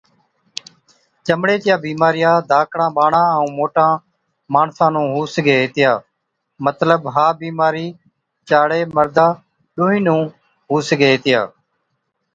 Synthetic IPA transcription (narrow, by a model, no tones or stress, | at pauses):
t͡ʃəmɽeːt̪ɪjãːbiːmaːɾɪjãːd̪ʱaːkʰɽãːɓaːɳãːəũːmoːʈãː | maːɳsãːnũːɦuːsɡeːt̪ɪjaː | mət̪ləbɦaːbiːmaːɾiː | t͡ʃaːɽeːməɾd̪aː | ɗoːɦĩːnũː | ɦuːsɡeːt̪ɪja̰ː